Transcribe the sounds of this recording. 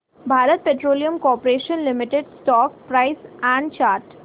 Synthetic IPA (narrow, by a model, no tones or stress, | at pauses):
bʱaːɾət̪̚peːʈɾoːlijəmkɔːpɾeːʃənlɪmɪʈeɖsʈɔːk̚pɾaɪsɛ̃ɳɖt͡ʃaːɾʈ